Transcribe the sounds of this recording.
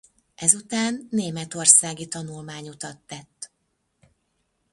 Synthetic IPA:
ɛzut̪aːnːeːmɛt̪o̞rsaːɡit̪ɒnulmaːɲut̪ɒt̪ːɛt̪ː

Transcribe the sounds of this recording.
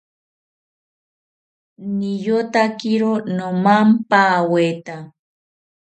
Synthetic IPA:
nijot̪akiɾonomampaːwet̪a

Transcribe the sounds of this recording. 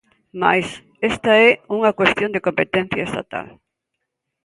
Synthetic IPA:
ma̰js | est̪ɐɛuŋɐkwest̪jõnd̪ekompet̪ɛ̃n̟θjɐest̪a̰t̪a̰l

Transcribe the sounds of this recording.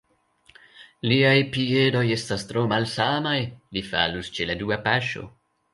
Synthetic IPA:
liajpie̞do̞je̞stastɾo̞malsamajlifa̰lust͡ʃeladuapaʃo̞̰

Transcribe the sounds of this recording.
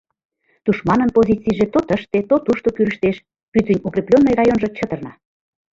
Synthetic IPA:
t̪uʃmɑnənpozʲit͡sijʒet̪ot̪əʃt̪et̪ot̪uʃt̪okyɾəʃt̪eʃ | pyt̪ənʲukɾʲeplʲonːojrɑjonʒɤ̆t͡ɕət̪ə̆rnɑ

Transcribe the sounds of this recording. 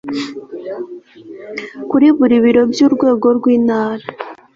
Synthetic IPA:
kuɾiβuɾiβiɾo̞bjuːɾɡwe̞ːɡo̞ɾɡwiːnaːɾa

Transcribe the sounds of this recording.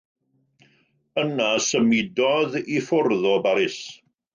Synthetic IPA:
ənasəmɪdɔðifʊrðɔbaɾɪs

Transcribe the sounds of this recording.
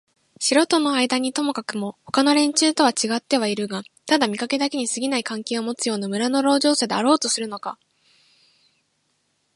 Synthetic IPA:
ɕiɾo̞t̪o̞no̞aid̪aɲ̟it̪o̞mo̞kakɯ̟mo̞ho̞kano̞ɾẽ̞ɲ̟t͡ɕɨːt̪o̞β̞at͡ɕiɡat̪ːe̞β̞aiɾɯ̟ɡat̪ad̪amʲikake̞d̪ake̞ɲ̟isɨɡʲinaikãŋkʲe̞ːo̞mo̞t͡sɨjo̞ːnamɯ̟ɾano̞ɾo̞ːʑo̞ːsed̪eaɾo̞ːt̪o̞sɨɾɯ̟no̞ka̰

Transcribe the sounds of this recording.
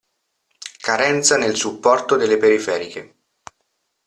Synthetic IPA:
kaɾɛnt̪sanelsupːɔrt̪od̪elːepeɾifɛːɾike

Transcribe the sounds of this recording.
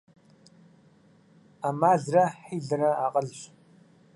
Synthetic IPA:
amaːɮrɐħiːɮɨrɐaːqʼɐɮɕ

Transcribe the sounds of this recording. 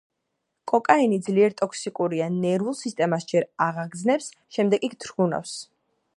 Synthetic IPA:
kʼɔkʼainid̪zliɛɾt̪ʼɔkʰsikʼuɾianɛɾulˠsist̪ʼɛmasd͡ʒɛɾaʁaɡd̪znɛps | ʃɛmd̪ɛɡʼikʰt̪ʰɾɡuna̰fs

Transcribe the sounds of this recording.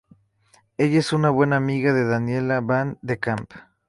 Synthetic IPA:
eʝaesunaβwenaːmiɣaðeðanjelaβand̪ekamp

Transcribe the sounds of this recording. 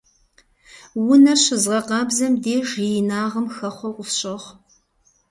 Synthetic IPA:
wʊnɐɕɪzʁɐqɑːbzɐmdeːʒijɪnaːʁɐmxɐχʷɔqʷʊfɕʼɪʁ

